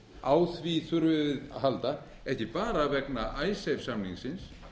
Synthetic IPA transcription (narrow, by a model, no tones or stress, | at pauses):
aːwθviθʏɾvɪðɦalt̪a | ɛhcɪpaːɾavɛknaʔajsejfsamniŋksɪns